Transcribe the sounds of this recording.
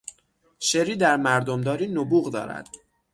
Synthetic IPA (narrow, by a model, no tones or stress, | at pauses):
ʃeɾiːd̪æɾmæɾd̪omd̪ɒːɾiːnobuːɣd̪ɒ̰ːɾæ̰d̪̥